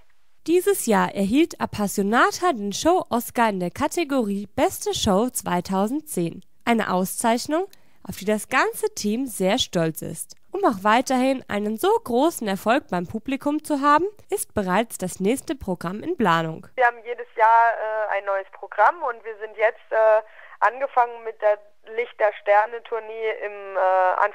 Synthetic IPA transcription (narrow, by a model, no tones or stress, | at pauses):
d̥iːzəsjaːɐʔɛɐɦiːltapʰasjonaːtʰadeːnʃoʊʔɔskaɪndeːɐkʰatʰeɡoʁiːb̥ɛstəʃoʊt͡sv̥a̰ɪtʰaʊzn̩t̚t͡seːn | ʔaɪnə̰ʔaʊst͡saɪçnʊŋ | ʔaʊfd̥iːdasɡ̥ant͡sətʰiːmzeːɐʃtɔlt͡sɪ̰stʔʊmaʊxv̥aɪtɐhɪnʔa̰ɪnənzoːɡʁoːsn̩ɛɐfɔlk̚b̥aɪmpʰuːblikʰʊmt͡suɦaːbm̩ʔɪst̚b̥əʁ̞aɪt͡sd̥asnɛːçstəpʁ̥oɡʁamɪnpl̥aːnʊ̰ŋɐhaːbm̩jeːdəsjaːɐɛːa̰ɪnːɔʏəspʁ̥oɡʁamʊntv̥iːɐzɪntjɛt͡stʔɛːʔa̰nɡəfaŋənmɪt̚d̥eːɐ | lɪçteːɐʃtɛɐnətʰʊɐniːɪmɛːʔa̰n